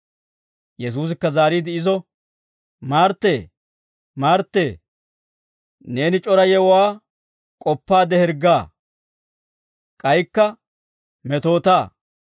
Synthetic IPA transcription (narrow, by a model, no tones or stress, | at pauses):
jɛs̬uːs̬ɪkːɐzaːɾiːd̪ɪɪzɔ | maːɾt̪ːeː | maːɾt̪ːeː | ne̞ːnɪt͡ʃʼɔɾɐjɛwwaː | kʼɔpːaːd̪ɛhɛɾɡaː | kʼɐjkːɐ | mɛt̪o̞ːt̪aː